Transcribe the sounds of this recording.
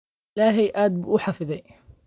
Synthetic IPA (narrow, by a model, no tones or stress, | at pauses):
laɦajʔaːt̪̚bʔuːħafɪða